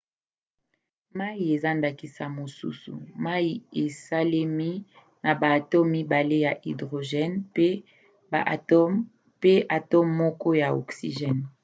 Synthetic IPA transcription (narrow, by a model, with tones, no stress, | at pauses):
ma˦i˨e˨za˦nda˨ki˨sa˨mo˨sṵ˦sṵ˨ma˦ji˨e˨sa˦le˦mi˦ | na˨baː˨tɔ˦mːi˦ba˨le˦ja˨ʔi˨dʁo˨ʒɛ˦npe˦ | ba̰˨ʔ | pe˦ʔa˨tɔ˦mːɔ˦kɔ˦ja˨o̰˨ksḭ˨ʒɛ˦˨n